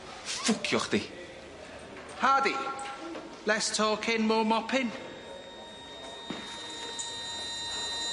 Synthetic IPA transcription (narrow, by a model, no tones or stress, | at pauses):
fʊkʰjɔχd̥̪i | haːdi | lɛstʰɔːkʰɪnmɔːmɔpʰɪn